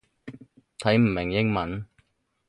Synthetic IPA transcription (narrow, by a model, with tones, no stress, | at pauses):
t̪ʰɐ˨˥jm̩˨˩mɪ˨˩ŋjɪ˥ŋmɐ˨˥n